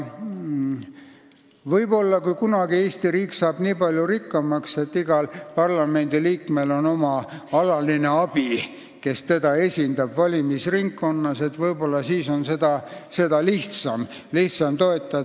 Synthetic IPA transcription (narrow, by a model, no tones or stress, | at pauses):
vɤjbo̞lːɑkujkunɑɡie̞ːst̪iɾiːksɑːb̥niːpɑlʲjuɾikːɑmɑkse̞t̪ːiɡ̥ɑlpɑrlɑme̞nd̪̥iliːkme̞lo̞no̞mɑɑlɑline̞ɑb̥i | ke̞st̪e̞d̪̥ɑe̞sʲind̪ɑbvɑlʲimisriŋkːo̞nːɑse̞t̪vɤjbo̞lːɑsiːso̞nse̞d̪̥ɑse̞d̪̥ɑliht̪sɑm | liht̪sɑmt̪o̞e̞t̪ːˑɑ